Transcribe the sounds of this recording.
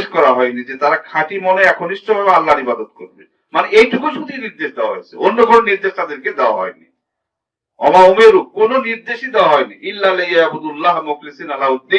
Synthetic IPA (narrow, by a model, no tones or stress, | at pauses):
ʃkɔɾaɦɔenid͡ʑet̪aɾakʰãʈimoneɛkʰoniʃt͡ɕobʱabealːaɾibad̪ot̪koɾbe | maneejʈʰukuʃut̪iniɾd̪eʃd̪ewaɦɔ̰jt͡ɕʰeonːokononiɾd̪eʃt̪ad̪eɾked̪eoa̰ɦɔenḭ | ɔmaumeɾukononiɾd̪eʃid̪eoaɦɔeniʔilːalejaabud̪ulːaɦmuklisinalaud̪ːi